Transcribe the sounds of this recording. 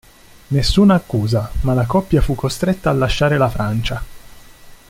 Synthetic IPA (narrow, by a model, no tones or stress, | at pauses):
nesːuːnaːkːuːzamalakɔpːjafukːost̪ɾet̪ːaːlːaʃːaːɾelafɾant͡ʃa